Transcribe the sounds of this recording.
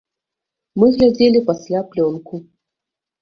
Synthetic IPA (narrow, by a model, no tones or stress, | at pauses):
mɨɣlʲad͡zʲelʲipasʲlʲaplʲɔnku